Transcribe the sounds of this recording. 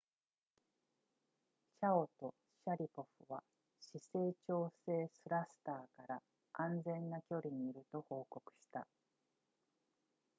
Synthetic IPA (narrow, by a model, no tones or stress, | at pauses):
ɕao̞t̪o̞ | ɕaɾʲipo̞ɸɯβa | ɕise̞ːt͡ɕo̞ːse̞ːsɨɾasɨ̥t̪aːkaɾa | ʔãnd͡zẽ̞nːakʲo̞ɾʲiɲ̟iiɾɯ̟t̪o̞ho̞ːko̞kɯ̟̥ɕi̥t̪a